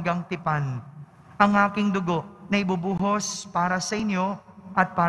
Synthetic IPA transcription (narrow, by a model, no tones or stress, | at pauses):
ɡɐŋt̪ɪpan | ʔɐŋʔaːkɪŋd̪ʊɡo̞ʔnɐʔɪbʊbuːɦospaːɾɐsɐʔɪnjo̞ʔɐt̪̚paː